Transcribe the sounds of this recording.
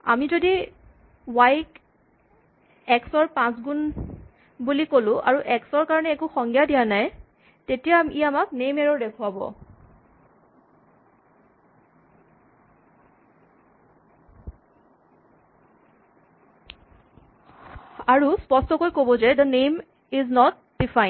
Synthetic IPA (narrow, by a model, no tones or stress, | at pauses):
a̰mizodi | wajk | ɛksɔɹpãsɡun | bulikolʊ̃ʔa̰ɹuʔɛksɔɹkaɹɔnɛːkuxɔŋɡijadijanaj | tetijamiamak̚nejmɛɹɔdekʰʊabɔ̰ | aɹuspɔstɔkojkobɔzɛd̪ənejm | iznɔt̚ | d̥ifʰajn